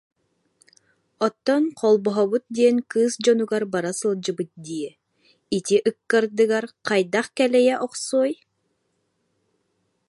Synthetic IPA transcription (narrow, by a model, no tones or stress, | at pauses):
ɔt̪ːɔnqʰɔlˠbɔɦɔbut̪̚d̪iɛnkɯːsd͡ʑɔnuɡaɾbaɾasɯlˠd͡ʑɯbɯt̪̚d̪iɛ | it̪ʲiʔɯkːaɾd̪ɯɡaɾqɑjd̪aχkɛlɛjɛʔɔqsuːj